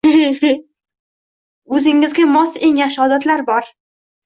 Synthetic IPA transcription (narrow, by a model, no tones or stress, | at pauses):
ɵzɪŋɪzɡʲamɒse̞ŋjaʃɒd̪at̪laɾbɒɾ